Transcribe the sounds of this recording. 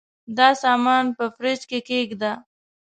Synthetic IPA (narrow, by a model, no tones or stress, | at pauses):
d̪ɑsɑmɑnpəfɾet͡ʃkekeɡd̪a